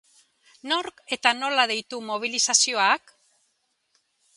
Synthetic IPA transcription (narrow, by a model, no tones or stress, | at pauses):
no̞ɾke̞t̪ano̞lað̞e̞jt̪umo̞β̞ilisasio̞ak